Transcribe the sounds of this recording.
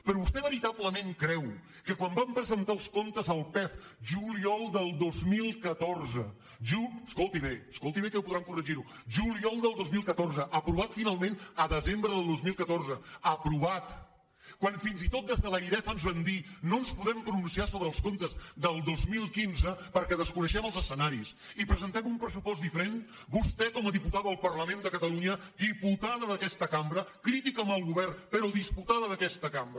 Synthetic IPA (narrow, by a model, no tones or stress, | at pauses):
pəɾɔβust̪ɛβəɾit̪aβləmeŋkɾɛw | kəkwambampɾəzənt̪aəlˠskont̪əzəlˠpɛf | ʒuliɔlˠd̪əlˠd̪ozmilˠkət̪orzə | ʒuskolˠt̪iβeəskolˠt̪iβekəupuðɾamkurəʒiɾu | ʒuliɔlˠd̪əlˠd̪ozmilˠkət̪orzəʔəpɾuβ̞at̪finalˠmẽnəðəzembɾəðəlˠd̪ozmilˠkət̪orzəəpɾuβat̪ | kwanfinzit̪ot̪̚d̪ezðələiɾɛfənzβɛnd̪inonspuðɛmpɾununsiasoβɾəːlˠskont̪əzd̪əlˠd̪ozmilˠkinzəpəɾkɛðəskunəʃɛməlˠzəsːənaɾis | ipɾəzənt̪ɛmumpɾəsupɔztd̪ifəɾen | bust̪ɛkɔməðiput̪aðəlˠpərləmend̪əkət̪əluɲəd̪iput̪aðəðəkɛst̪əkambɾəkɾit̪ikəməlˠɣuβɛrnpəɾɔðisput̪aðəðəkɛst̪əkambɾə